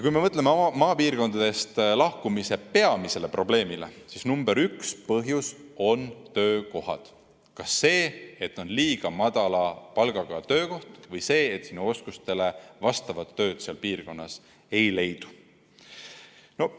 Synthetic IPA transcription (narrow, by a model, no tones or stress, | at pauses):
jɑkujme̞mɤt̪lememɑːpiːrko̞nd̪̥ɑd̪̥e̞st̪lɑhkumise̞pe̞ɑmise̞le̞pro̞ble̞ːmilesisnumb̥eɾykspɤɦjuso̞nt̪ø̞ːko̞hɑ̰d̪̥ | kɑsːe̞ːet̪ːˑo̞nliːɡ̥ɑmɑd̪̥ɑlɑpɑlɡ̥ɑɡ̥ɑt̪ø̞ːko̞ht̪vɤjse̞ːt̪ːˑsinuo̞skust̪e̞le̞vɑst̪ɑvɑt̪ːø̞ːd̪̥seɑlpiːrko̞nːɑs | e̞jle̞jd̪̥u̥ | no̞